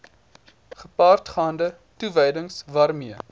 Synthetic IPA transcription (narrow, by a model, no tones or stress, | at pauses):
χəpɑːrtχɑːndə | tuvəjdəŋsvɑːrmiə